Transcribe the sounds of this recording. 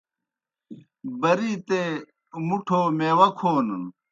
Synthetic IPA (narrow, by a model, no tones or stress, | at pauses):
bɐɾiːt̪e | muʈʰoːmewɐkʰoːnən